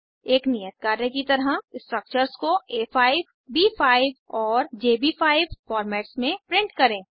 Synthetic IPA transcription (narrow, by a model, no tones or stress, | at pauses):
eːknijət̪̚kaːɾẽkit̪ɐɾɦasʈɾək̚t͡ʃəɾskoeːfʰaːɪʋ | biːpʰaːɪʋɔːɾd͡ʒeːbifʰaːɪʋfɔːɾmɛːʈsmẽpɾɪ̃ɳʈkɐɾẽː